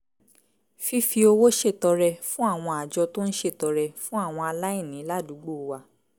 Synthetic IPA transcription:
fi˦fi˧o˧wo˦ʃe˦˨tɔ˧ɾɛ˧fũ˦a˦˨w̃ɔ̃˧a˨d͡ʒɔ˧to˦n̩˦ʃe˦˨tɔ˧ɾɛ˧fũ˦a˦˨w̃ɔ̃˧a˧la˦i˦˨nĩ˨˦la˦˨du˨˦ɡ͡bo˦˨wa˧

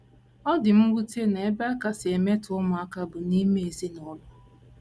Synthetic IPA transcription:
ɔ˦dɪ˨m̩˦ɡʷu˦te˦ne˨e˦ba˦ka˦sɪ˨e˨me˦tʊ˨ʊ˦mʊ˨a˦ka˦bʊ˨ni˦me˦e˨zi˦nɔ˦lʊ˦

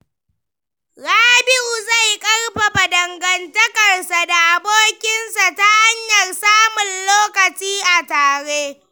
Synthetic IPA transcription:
ɾaː˦bɪ˦ʔu˨za˦˨jkʼɐ˦rɸa˨ɸa˨dɐ˨ŋɡɐ˨ntɐ˦kɐ˨rsa˨da˨ʔa˨boː˦kʲɪ˦nsa˨ta˦ha˦ɲjɐ˨rsaː˦mʊ˨nloː˦kɐ˨t͡ʃiː˦ʔa˨taː˨ɽe˦

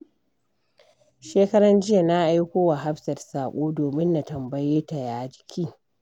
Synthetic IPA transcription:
ʃeː˦kɐ˦ɽɐ˦nd͡ʒɪ˦ja˨na˦ʔa˦jkʷoː˦wa˨ɦa˦ɸsɐ˨rsaː˨kʷʼoː˦doː˨mɪ˦nːa˨tɐ˨mbɐ˨jeː˦ta˨jaː˦d͡ʒɪ˦kʲʰiː˦

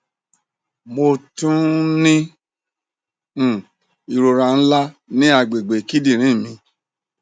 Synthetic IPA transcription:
mo˧tũ˦nĩ˦˨ | i˨ɾo˧ɾa˧n̩˦la˦nĩ˦a˧ɡ͡be˨ɡ͡be˨ki˦di˦˨ɾ̃ĩ˨˦˨mĩ˧

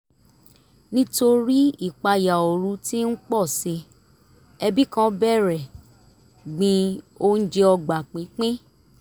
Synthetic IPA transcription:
nĩ˦to˧ɾi˦i˦˨k͡pa˧ja˨o˨ɾũ˨˧˦ti˦n̩˦k͡pɔ˦˨si˧ | ɛ˧bi˦kã˦bɛ˦˨ɾɛ˨ | ɡ͡bĩ˧ | o˦n̩˦d͡ʒe˧ɔ˧ɡ͡ba˨k͡pĩ˨˦k͡pĩ˦

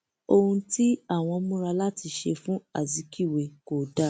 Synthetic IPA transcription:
o˧hũ˧ti˦a˦˨w̃ɔ̃˧mũ˦ɾa˧la˦ti˧ʃe˧fũ˦a̰˦˨zi˨˦ki˦˨we˨ko˨da˦

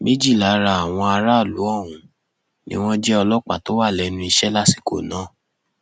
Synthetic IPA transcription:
me˦d͡ʒi˦˨la˨˦ɾa˧˦a˨w̃ɔ̃˧a˧ɾa˦˨lu˨˦ɔ˦˨wũ˨ | nḭ̃˦w̃ɔ̃˦d͡ʒɛ˦ɔ˧lɔ˦k͡pa̰˨to˦wa˦˨lɛ˨˦nũ˦i˧ʃɛ˦la˦si̥˨ko̰˨nãː˨˦˨

